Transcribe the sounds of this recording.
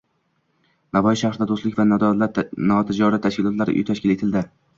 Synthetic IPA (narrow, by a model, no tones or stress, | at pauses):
navɒjɪʃahɾɪd̪ad̪oslɪkʲvalnɒt̪ʰɪd͡ʒɒɾat̪ʰːaʃkʲɪlɒt̪laɾɪʔʊ̰jt̪ʰaʃkʲɪle̞t̪ʰɪld̪ɪ